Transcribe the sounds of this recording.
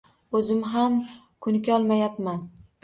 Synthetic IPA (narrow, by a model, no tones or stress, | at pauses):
ɵzɪmɦam | kʰʊnɪkʲɒlˠmajapman